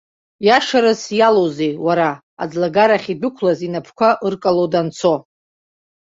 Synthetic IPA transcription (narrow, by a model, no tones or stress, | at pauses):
jaʂaɾɨsjalozejwaɾa | a̰d͡zlaɡaɾaχʲidʊkʷʰlazinapʰkʷaʔɨrkʼalodant͡sʰo̞